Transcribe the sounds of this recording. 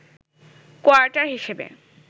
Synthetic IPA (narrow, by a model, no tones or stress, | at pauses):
koaɾʈaɾɦiʃebḛ